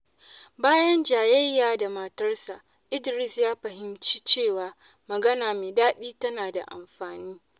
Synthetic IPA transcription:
baː˦jɐ˦nd͡ʒaː˨jɐ˦jːaː˨da˨mɐ˨tɐ˦rsa˨ | ʔɪ˦dɪ˨ɾɪ˦sjaː˦ɸɐ˨ɦɪ˦mt͡ʃi̥˦t͡ʃeː˦˨waː˨ | mɐ˨ɡɐ˦naː˨meː˨daː˦ɗiː˦tɐ˦naː˨da̰˨ʔa̰˨mɸaː˨niː˦

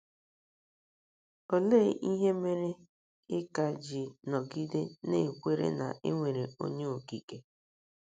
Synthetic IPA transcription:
o˦le˦ʔi˦ɦe˦me˦ɾe˦ | ɪ˦ka˨d͡ʒi˨nɔ˨ɡi˦de˦ne˦˨kʷe˦ɾḛ˦na̰˨ʔḛ˦ŋʷe˨ɾe˨o̰˦ɲe˦o˨ki˨ke˦

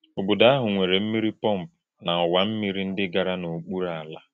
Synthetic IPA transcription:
o˨bʊ˨da˦a˦ɦʊ˨ŋʷe˨ɾe˨m̩˦mi˦ɾi˦pɔ˦m̩˨pʊ˨na˨ʊ˨wa˨m̩˦mi˦ɾi˦n̩˦dɪ˦ɡa˨ɾa˦no˨k͡pu˦ɾa˦˨a˨la˦

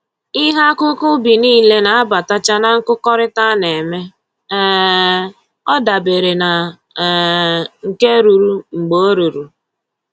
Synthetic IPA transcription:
i˦ɦa˦kʊ˦kʊ˦bi˨niː˦le˦na˨a˦ba˨ta˦t͡ʃa˦na˦ŋ̩˦kʊ˦kɔ˦ɾɪ˦ta˦ne˨me˦ | ɔ˦da˨be˨ɾe˨na˨ | ŋ̩˨ke˦ɾu˨ɾu˨ŋ͡m̩˨ɡ͡bo˦o˦ɾu˨ɾu˨

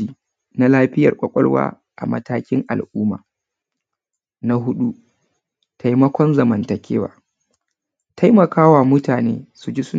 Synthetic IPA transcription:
iː˨ | na˦laː˦ɸɪ˦jɐ̰˨rkʷʼɐ˨kʷʼɔ̰˦lwa̰ː˦ | ʔa̰˨mɐ̰˦taː˦kʲɪ˦ŋʔa̰˨lʔuː˦ma̰ː˨ | na˦ɦʊ˦ɗu˦ | tʰa˨jmɐ˦kʷɔ˦nzɐ˨mɐ˨ntɐ˨kʲʰeː˦wa̰ː˨ | tʰa˦jmɐ˨kaː˦waː˨mʊ˦taː˨nḛː˦su˨d͡ʒi˦sʊ˦

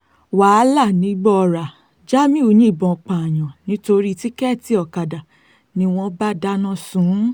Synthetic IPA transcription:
wa˨˦la˦˨nĩ˨˦ɡ͡bɔ˦˧ɾa˨ | d͡ʒa˦mĩ˦o˧ɲĩ˦i˦˨bɔ̃˨k͡pã˨j̃ã˨nĩ˦to˧ɾi˦ti˦kɛ˦˨ti˧˦ɔ˨ka˨da˨ | nĩ˧w̃ɔ̃˧ba˦da˦nã˦˨sũ˨˦

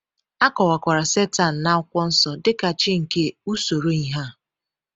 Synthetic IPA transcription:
a˦kɔ˨wa˨kʷa˨ɾa˨se˦ta˨n̩˨na˦ʊ˦kʷɔ˦n̩˦sɔ˨dɪ˦ka˨t͡ʃɪ˦ŋ̩˨ke˦u˦so˨ɾo˦i˨ɦa˦˨

